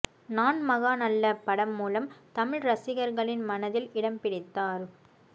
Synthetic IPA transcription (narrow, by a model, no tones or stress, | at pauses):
naːnmɐɣaːnɐlːɐpɐɽɐmːuːlɐmt̪ɐmɪɻɾɐsɪɣɐɾɣɐɭɪnmɐnɐðɪlɪɽɐmpɪɽɪt̪ːaːɾ